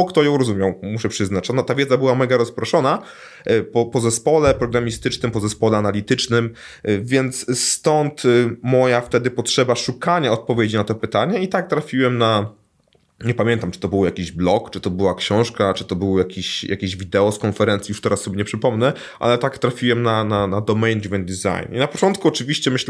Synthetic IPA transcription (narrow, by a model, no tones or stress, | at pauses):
ɔkt̪ɔjɔ̃w̃ɾɔzumʲjawmuʂɛpʂɘznat͡ʃɔnɔt̪avʲjɛd̪zabɘwamɛɡaɾɔspɾɔʂɔna | pɔpɔzɛspɔlɛpɾɔɡɾamʲist̪ɘt͡ʂnɘmpɔzɛspɔlɛanalʲit̪ɘt͡ʂnɘm | vʲjɛnt̪sst̪ɔnt̪mɔjaft̪ɛd̪ɘpɔtʂɛbaʂukaɲaɔt̪̚pɔvʲjed͡ʑinat̪ɔpɘt̪aɲɛit̪ak̚t̪ɾafʲiwɛmna | ɲɛpamʲɛnt̪amt͡ʂɨ̥t̪ɔbɘwjakʲiʑblɔkt͡ʂɨt̪ɔbɘwakɕɔ̃w̃ʂkat͡ʂɘt̪ɔbɘwjakʲiɕjʔa̰kʲeʑvʲid̪ɛɔskɔnfɛɾɛnt̪sʲijuʂt̪ɛɾasːɔbʲeɲɛpʂɘpɔmnɛ | ʔa̰lɛt̪akt̪ɾafʲiwɛmnananad̪ɔmɛjnvɛnd̪iza̰jninapɔt͡ʂɔnt̪̚kuɔt͡ʂɘvʲiɕt͡ɕɛmɘɕl